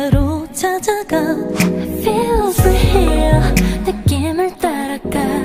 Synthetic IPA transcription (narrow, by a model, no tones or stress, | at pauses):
aɾot͡ɕʰad͡ʑaɡa | pepɯhejʌnɯkk͈ːimɯɭt̪͈aɾak͈a